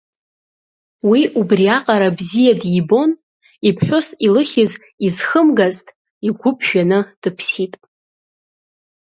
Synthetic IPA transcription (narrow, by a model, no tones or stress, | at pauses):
wiʔubriaqʼaɾabzijadjibo̞n | ipʰħʷᶣʊsilɨχʲɪz | izχəmɡaztʼ | iɡʷʊpʰʒᶣanɨd̥ɨpʰsitʼ